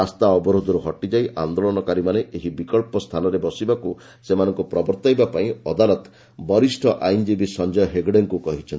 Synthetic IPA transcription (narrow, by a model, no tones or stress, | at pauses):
ast̪aɔbɔɾod̪ʱɔɾuɦɔʈid͡ʒajʔand̪olɔnɔkaɾimaneʔeɦibikɔɭpɔst̪ʰanɔɾebɔsibaku | semanɔŋkupɾɔbɔɾt̪ajbapaĩɔd̪alɔt̪ | bɔɾisʈʰɔʔajnd͡ʒibisɔnd͡ʒɔjɔɦeɡɽeŋkukɔɦit͡ʃʰɔn